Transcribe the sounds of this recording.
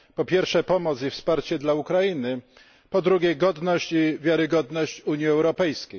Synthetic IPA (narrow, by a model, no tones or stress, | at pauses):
pɔpʲjɛɾfʂɛpɔmɔt̪sifspaɾt͡ɕɛd̪laukɾainɘ | pɔd̪ɾuɡʲɛɡɔd̪nɔɕt͡ɕivʲjaɾɘɡɔd̪nɔɕt͡ɕuɲjiɛwɾɔpɛjskʲej